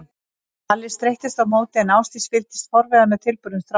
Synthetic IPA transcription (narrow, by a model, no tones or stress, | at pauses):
alːɪst̪ɾejht̪ɪst̪awmoːwt̪ɪɛnaːwst̪ɪspɪlt̪ɪst̪fɔɾvɛðanʏt̪ʰɪlpʏɾðʏmθɾ